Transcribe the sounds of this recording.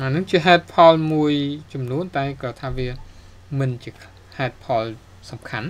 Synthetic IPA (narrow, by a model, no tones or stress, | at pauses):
ʔanɨŋt͡ɕiəɦaɛt̪̚pʰɑlmuəjt͡ɕɑmnuənt̪aɛkrɑt̪ʰaːʋiə | mɨnt͡ɕiə | haɛt̪̚pʰɑl | sɑmkʰan